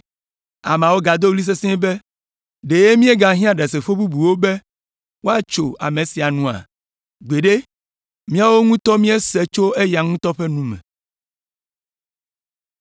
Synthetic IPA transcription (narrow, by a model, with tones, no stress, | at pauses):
a˨m˨ã˨wo˦ɡa˨d̪o˦wli˦s̬e˦sɛ̃˦be˦ | ɖe˨je˦mĩ˦e˦ɡa˨ɦĩ˦a˨ɖɛ˨se˨ɸo˦bu˦bu˨wo˦be˦ | wo˦a˦t͡ʃo˨a̰˨mẽ˨si˨a˨nũ˨a̰˨ | ɡ͡be˨ɖe˦ | mĩ˦a˦wo˦ŋũ˦t̪ɔ˦mĩ˦e˦se˦t͡ʃo˦e˦ja˨ŋũ˦t̪ɔ˦ɸe˦nũ˦mɛ̰̃˨